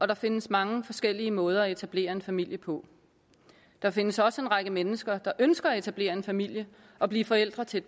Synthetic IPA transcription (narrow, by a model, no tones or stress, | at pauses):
ɒ̽ɾ̥ɑ̈fe̝nəsmɑ̈ŋəfɒ̽sɡ̥el̰iəmɔ̽ːð̞ˠɐæe̝t͡sʰæb̥le̝̰ːɐe̝nfæmil̰jəpʰɒ̽ | d̥ɑ̈fe̝nəsɒ̽səe̝nʁɑ̈ɡ̥əmenəsɡ̥ɐd̥ɑ̈ʔønsɡ̥ɐːe̝t͡sʰæb̥le̝̰ːɐe̝nfæmil̰jə | ʔɒ̽b̥liːfɒ̽el̰d̥ʁɐt͡sʰe̝